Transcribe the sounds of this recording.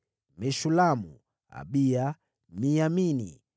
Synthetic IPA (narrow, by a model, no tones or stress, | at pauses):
mɛʃulamu | a̰ɓia | mijaminḭ